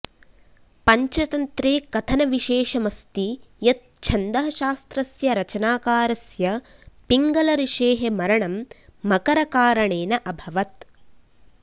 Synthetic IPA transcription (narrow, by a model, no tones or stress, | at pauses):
pɐɲt͡ʃɐt̪ɐnt̪ɾeːkɐt̪ʰɐnɐʋiʃeːʃɐmɐst̪ijɐt̪̚t͡ʃʰɐnd̪ɐɦɐʃaːst̪ɾɐsjɐɾɐt͡ʃɐnaːkaːɾɐsjɐpiŋɡɐlɐɾiʃeːɦemɐɾɐɳɐmːɐkɐɾɐkaːɾɐɳeːnɐʔɐbʱɐʋɐt̪